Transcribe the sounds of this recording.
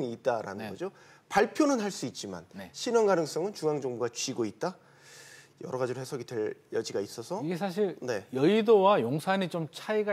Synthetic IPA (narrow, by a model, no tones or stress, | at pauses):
ŋiːt̚t͈aɾa̰nɯnɡʌd͡ʑo | paɭpʰjonɯnɦaɭs͈uit̚t͡ɕ͈ima̰nneɕʰinʌnɡanɯŋs͈ʌŋɯnt͡ɕuŋaŋd͡ʑʌŋbuɡat͡ɕɥiɡoit̚t͈a | jʌ̰ɾʌɡad͡ʑiɾohesʰʌɡidwe̞ɭjʌd͡ʑiɡais͈ʌsʰʌiɡe̞s̬ʰaɕ̬ʰiɭne̞jʌidowajoŋsʰaɲit͡ɕomt͡ɕʰaiɡa